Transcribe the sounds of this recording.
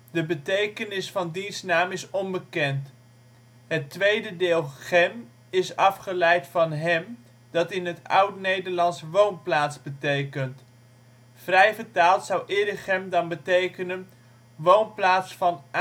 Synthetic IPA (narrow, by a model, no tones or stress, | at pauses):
dəbətejkənɪsfɑndinsnaːmɪsɔnbəkɛnt | ɦətʋejdədɪːlˠχɛm | ɪsɑfχəlɛjtfɑnɦɛm | d̥ɑtɪnɦətʌ̰wtnejdəɹlɑnsʋownplaːtzbətejkənt | frɛjvəɹtaːlˠtsʌwʔɪːdəχɛmdɑnbətejkənən | ʋownplaːtsfɑn